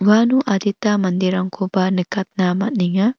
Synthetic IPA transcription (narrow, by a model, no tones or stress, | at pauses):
ʋanuʔɐd̪ʱit̪amɐnd̪iɾɐŋkʰobanikɐt̪̚namɐt̚niŋɐ